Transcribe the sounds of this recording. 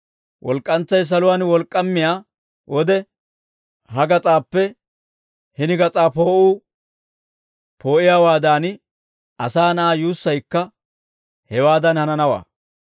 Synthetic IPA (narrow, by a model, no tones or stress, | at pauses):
wʔɔlkʼːɐnt͡sːɐjs̬ɐlʊwaːnwɔlkʼːɐmːɪjaː | wʔɔd̪ɛ | hɐɡɐt͡sʼaːpːɛ | hɪnɪɡɐt͡sʼaːpo̞ːʔuː | pʰo̞ːʔɪjaːwaːd̪aːn | ɐsaːnɐaːjuːsːɐjkːɐ | hɛwaːd̪ɐnhɐnɐnɐwa̰ː